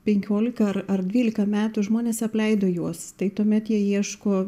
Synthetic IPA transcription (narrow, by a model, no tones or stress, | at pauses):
pʲɛŋʲkʲoːlʲɪkɐɐrɐrd̪ʲʋʲiːlʲɪkɐmʲæːt̪ʊʒmoːnʲeːsɐpʲlʲɛɪd̪oːjuɔst̪ɐɪt̪uɔmʲɛt̪jiɛiɛʃkoː